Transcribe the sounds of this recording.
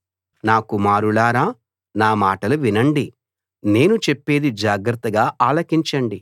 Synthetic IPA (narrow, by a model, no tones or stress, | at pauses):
naːkumaːɾuɭaːɾaː | naːmaːʈɐluʋinɐɳɖi | ne̞ːnut͡ʃe̞pːe̞ːd̪id͡ʒaːɡɾɐt̪ːɐɡaːʔaːlɐkiɲt͡ʃɐɳɖi